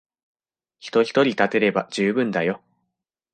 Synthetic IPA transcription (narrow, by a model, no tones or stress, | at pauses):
çi̥t̪o̞çi̥t̪o̞ɾʲit̪at̪e̞ɾe̞bad͡ʑɨːbɯ̟̃nd̪ajo̞